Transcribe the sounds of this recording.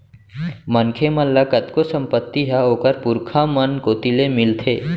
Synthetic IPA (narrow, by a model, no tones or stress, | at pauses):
mənkʰeməllakət̪kosə̃mpət̪ːiɦaɦoːkəɾpʊɾkʰãmənkoːt̪ilemɪlt̪ʰeː